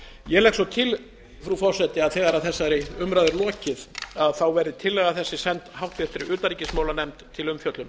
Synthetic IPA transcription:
jɛlɛksɔt̪ʰɪl | fɾufɔr̥sɛt̪ɪaðθɛːɣaɾaðθɛsːaɾɪʏmɾajðɪɾlɔːcɪθaðθawvɛɾðʏt̪ʰɪlːɛːɣaθɛsːɪsɛnt̪hawht̪vɪɛft̪ɪɾɪʏːt̪aɾiːcɪsmaːwlanɛmt̪ʰːɪlʏmfjœt̪lʏm

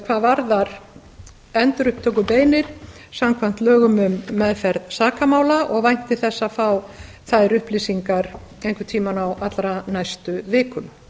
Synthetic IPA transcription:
kʰvaːðvaɾðaɾ | ɛnt̪ʏɾʏhpt̪ʰœkʏpeːjnɪɾ̥ | samkʰvan̥t̪lœːɣʏmʏmːɛðfɛɾðsaːkamaːwlaʔɔɣvajn̥t̪ɪθɛsːafaw | θaðɪɾʏhpliːsiŋkaɾ | ejŋkvʏt̪ʰiːmanawat̪lɾanajst̪ʏvɪːkʏm

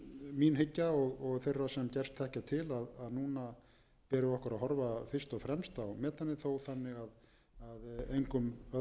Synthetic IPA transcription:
minɦɪcːaɔɣɔɣθejrːasɛmcɛr̥st̪θɛhcat̪ʰɪlaðaðnuːna | pɛːɾɪɔhkaɾaðɦɔɾvafɪr̥st̪ɔɣfɾɛmst̪awmɛːt̪anːɪθowθanːɪɣað | aðejŋkʏmœ

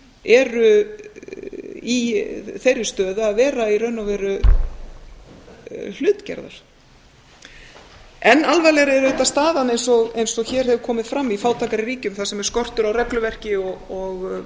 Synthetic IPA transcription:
ɛɾʏ | iθejɾɪst̪œːðʏaðvɛːɾairœɥnavɛːɾʏ | l̥ʏːt̪cɛ̰ɾða̰ɾ̥ | ɛnːalvajlɛɾɪɛɾʏt̪ast̪aːðanejnsɔɣejnsɔɣçɛːɾ̥hɛvʏɾkʰɔːmɪðfɾamːifaːwt̪ʰaːkaɾɪriːcʏmθaðsɛmɛɾ̥skɔr̥t̪ʏɾawrɛklʏvɛr̥cɪɔɔɣ

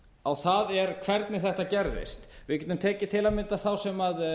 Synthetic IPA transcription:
awθaðɛɾkʰvɛɾt̪nɪθɛht̪acɛɾðɪ̰st̪vɪcɛnt̪ɪmt̪ʰɛːcɪt̪ʰɪlamɪnt̪aθawsɛmað

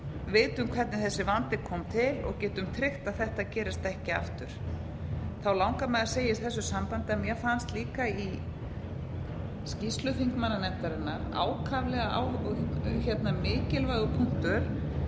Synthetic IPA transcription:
veːjt̪ʏmkʰvɛɾt̪nɪθɛsːɪvant̪ɪkʰɔːmt̪ʰɪlɔ̰ɣcɛːt̪ʏmt̪ʰɾɪxt̪aðθɛht̪acɛːɾɪst̪ɛhcɪa̰ft̪ʏɾ̥ | θawlawŋkamɛðḁseːjɪst̪θɛsːʏsampant̪ɪɛmjɛɣfanst̪liːkai | scist̪lʏfiŋkmanːanɛt̪aɾɪnːaɾa̰ːwkʰavlɛɣaa̰w | çɛt̪namɪːcɪlvaːɣʏpʰuŋ̥t̪ʏɾ̥

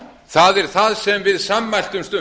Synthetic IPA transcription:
θaðɛɾ̥θaðsɛmvɪðsamːajl̥t̪ʏmst̪ʏ

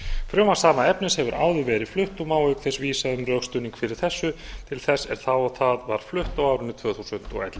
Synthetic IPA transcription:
fɾjœːmasaːmaɛpnɪshɛvʏɾʔa̰ːwðʏvɛːɾɪð̥flʏht̪ɔmaːwhʏɥkθɛsviːsaðʏmrœxst̪ʏːniŋkfɪɾɪɾ̥θɛsːʏt̪ʰɪlθɛsːɛɾ̥θawɔɣθaðvaɾ̥flʏht̪awaːwɾʏnːɪt̪ʰv̥œːθusʏnt̪ɔ̰ɣɛ̰t̪l

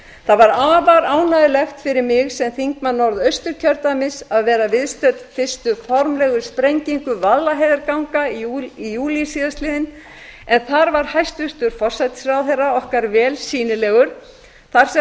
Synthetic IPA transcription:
θaðvaɾaːvaɾaːwnaðɪlɛxt̪fɪɾɪɾmɪɣsɛmθiŋkmanːɔɾðœɥst̪ʏɾ̥cʰœɾt̪amɪsaðvɛːɾavɪðst̪œt̪fɪ̥st̪ʏfɔɾmlɛɣʏspɾejɲciŋkʏvallːaɦejðɪɾkawŋkaiijuːlisiðast̪lɪːðɪn | ɛnθaɾvaɾ̥hajst̪vʏst̪ʏɾ̥fɔr̥sajt̪ɪ̥sɾawθerːaɔhkaɾvɛːlsiːnɪlɛːɣʏɾ̥ | θaɾ̥sɛ

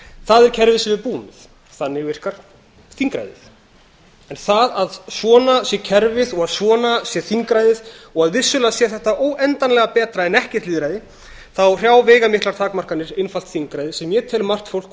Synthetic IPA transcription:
θaðɛɾcʰɛɾvɪðsɛvɪɾpuːmɪθ | θanːɪɣvɪr̥kaɾ̥ | θiŋkɾa̰jðɪ̰θ | ɛnθaðaðsvɔːnasjɛcʰɛɾvɪðɔɣaðsɔːnasjɛθiŋkɾajðɪðɔɣaðvɪsːʏlasjɛθɛht̪aʔoːwʔɛnt̪anlɛɣapɛːt̪ɾaɛnɛhcɛɾ̥t̪liːðɾajðɪ | θawr̥jaːwveːjɣamɪht̪laɾ̥t̪ʰaːkmar̥kanːɪɾenfalt̪θiŋkɾajðɪsɛmjɛt̪ʰɛːlmar̥t̪fowl̥k

